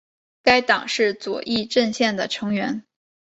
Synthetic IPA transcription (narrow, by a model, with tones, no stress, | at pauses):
ka˥ɪt̪ɑ˨˩ŋʂɻ̩˥˩t͡swɔ̰˨˩ʔi˥˧ʈ͡ʂə˥˧nɕjɛ˥˩nd̪ə˩ʈ͡ʂʰɤ˧˥ŋɥɛ˧˥n